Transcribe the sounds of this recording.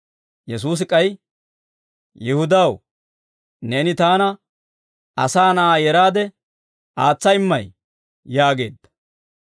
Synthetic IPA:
jɛs̬uːs̬ɪkʼɐj | jɪhʊd̪ɐw | neːnɪt̪aːnɐ | ɐsaːnɐʔaːjɛɾaːd̪ɛ | aːt͡sːɐɪmːɐj | jaːɡe̞̰ːd̪ːɐ̥

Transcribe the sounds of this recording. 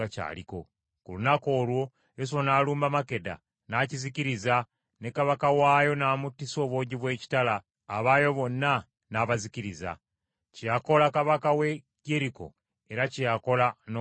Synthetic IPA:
aca̰ːlḭko̞̰ | kulunako̞ːlwo̞ | es̬onaːluːmbamake̞da̰ | naːciziciɾiza | ne̞kaβakawaːjo̞naːmutːiso̞ːβwo̞ːɟiβwe̞ːci̥talaː | βaːjo̞βo̞nːa | naβaziciɾiza̰ | cjako̞lakaβakawe̞ | ɟ̥eɾiko̞̰ | e̞ɾaciako̞lano

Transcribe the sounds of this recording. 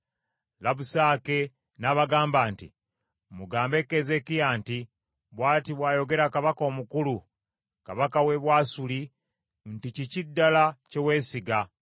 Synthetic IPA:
laβusaːke̞ | naβaɡaːmbaːntḭ | muɡaːmbe̞kːeze̞kijanti | βwaːtiβwaːjo̞ɡe̞ɾakaβako̞ːmukulu | kaβakawe̞βwaːsuli | nticicidːalace̞we̞ːsiɡa

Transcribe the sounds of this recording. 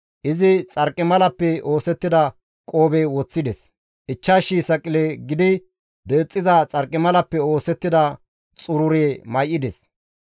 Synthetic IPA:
ʔɪzɪt͡sʼɐɾkʼːɪmɐlɐpːɛoːsɛt̪ːɪd̪ɐ | kʼo̞ːbewɔt͡sːɪd̪ɛs | ʔɪt͡ʃːaːʃiːsɐkʼɪleɡɪd̪ɪ | d̪e̞ːt͡sʼːɪzɐt͡sʼɐɾkʼːɪmɐlɐpːɛo̞ːsɛt̪ːɪd̪ɐ | t͡sʼʊɾʊɾeːmɐjʔɪd̪ɛs

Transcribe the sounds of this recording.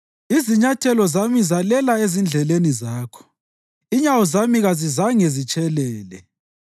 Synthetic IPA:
iziɲatʰɛlɔzamizalɛlaezind͡ɮʱɛlenizaːkʰɔ̥ | iɲawɔzamiɣazizaŋɛzit͡ʃʰʼɛlɛːlɛ

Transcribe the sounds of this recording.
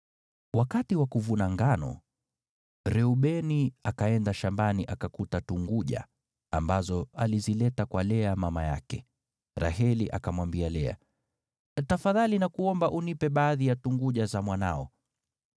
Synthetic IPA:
wakatiwakuvunaŋɡanɔ̰ | ɾɛuɓɛniakaɛndaʃambaniʔakakutatuŋɡuʄa̰ | ambazɔalizilɛtakwalɛamamaja̰kɛ | ɾa̰hɛliʔa̰kamwambialɛa̰ | tafaðalinakuɔmbaʔunipɛɓaːðijatuŋɡuʄazamwana̰ɔ̰

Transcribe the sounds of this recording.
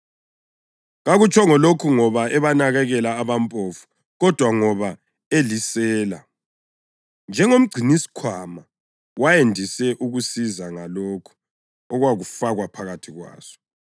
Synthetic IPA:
ɣaɣut͡ʃʰɔŋɔlokʰuŋɔβaɛβanaɣɛɣɛlaːβampʼofu̥ | ɣɔd̥ʱwaŋɔβa | elisɛːla | nd͡ʒʱɛŋom̩ɡ͡ǀʱinisi̥kʰwama | wajendʱisɛʔuɣusizaŋalokʰu̥ | ɔɣwaɣufaɣwapʰaɣatʰiɣwa̰ːsɔ̥

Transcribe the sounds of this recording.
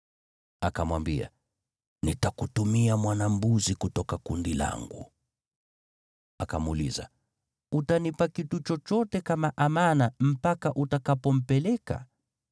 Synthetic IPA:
akamwambia̰ | nitakutumiamwanambuzikutɔkakundila̰ŋɡṵ | akamuuliza̰ | utanipakitut͡ʃɔt͡ʃɔtɛkamaʔamanam̩pakaʔutakapɔm̩pɛlɛka̰

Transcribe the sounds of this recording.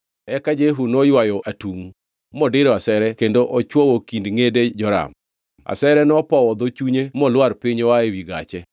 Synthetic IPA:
ɛkad͡ʒeɦunɔjwajɔʔatuŋu | mɔdɪɾɔasɛɾɛkendoʔɔt͡ʃwɔwokindŋeded͡ʒɔɾa̰m | a̰sɛɾɛnɔpɔwɔd̪ot͡ʃuɲemɔlwarpiɲɔwaewiɡat͡ʃɛ

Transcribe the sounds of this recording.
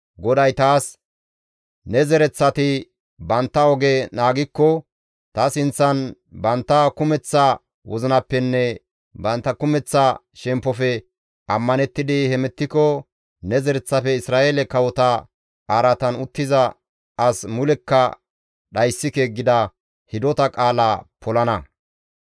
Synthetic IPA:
ɡɔd̪ɐjt̪aːs | nɛzɛɾɛt͡sːɐt̪ɪ | bɐnt̪ːɐɔɡɛnaːɡɪkːɔ | t̪ɐsɪnt͡sːɐn | bɐnt̪ːɐkʊmɛt͡sːɐ | wɔzɪnɐpːɛnːɛ | bɐnt̪ːɐkʊmɛt͡sːɐ | ʃɛmpːɔfɛ | ʔɐmːɐnɛt̪ːɪd̪ɪhɛmɛt̪ːɪkɔ | nɛzɛɾt͡sːɐfɛɪsɾaːʔeːlɛkɐwɔt̪ɐ | aːɾɐt̪ɐnʊt̪ːɪzɐː | smʊlɛkːɐ | ɗɐjsːɪkeːɡːɪd̪ɐ | hɪd̪ɔt̪ɐkʼaːlɐpɔlɐnɐ

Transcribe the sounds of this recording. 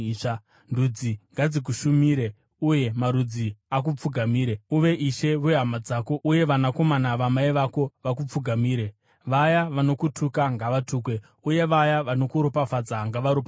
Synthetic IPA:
ʃa | ndud͡ziŋɡad͡zik̬uʃumiːɾe | uje̞maɾud͡ziak̬up͡fuɡʱamiːɾeuʋe̞ʔiʃe̞weɦamad͡zako̞uje̞ʋanako̞manaʋamaiʋako̞ʋak̬up͡fuɡʱamiːɾe | ʋajaʋano̞kutʰukaŋɡaʋatuːkwe̞ | uje̞ʋajaʋano̞kuɾopafad͡zaŋɡaʋaɾopa

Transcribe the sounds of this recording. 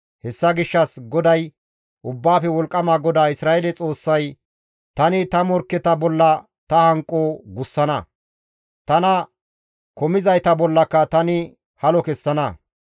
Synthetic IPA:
hɛsːɐɡɪʃːɐsɡɔd̪ɐj | ʔʊbːaːfɛwɔlkʼːɐmaːɡɔd̪aːɪsɾaːʔelɛt͡sʼo̞ːsːɐj | t̪ɐnɪt̪ɐmɔɾkːɛt̪ɐbɔlːɐ | t̪ɐhɐŋkʼːoːɡʊsːɐnɐ | t̪ɐnɐ | kɔmɪzɐjt̪ɐbɔlːɐkːɐt̪ɐnɪ | hɐlɔkɛsːɐnɐ

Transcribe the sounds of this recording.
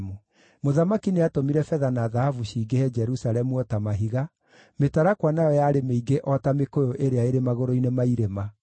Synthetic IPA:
mu | moðamakineatomiɾɛfɛðanaðahavuɕiːɡehɛd͡ʒɛɾusaɾɛmuɔtamaɦiɣa | metaɾakwanajɔjaɾemeiɡeʔɔtamekojoʔeɾeaeɾemaɣoɾoinemaiɾema

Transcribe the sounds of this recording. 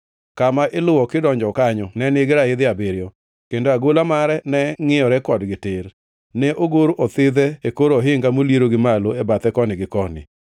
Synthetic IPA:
kamaʔɪlʊwɔkɪdɔɲd͡ʒɔkaɲɔnɛnɪɡɪɾahɪd̪ɪabɪɾjɔ | kendoaɡolamaɾɛnɛŋɪjɔɾɛkɔdɡɪtɪɾ | nɛʔoɡoɾoʔot̪ɪd̪ɛekoɾoɦɪŋɡamoljeɾoɡɪmaloebat̪ɛkɔnɪɡɪkɔnɪ̰

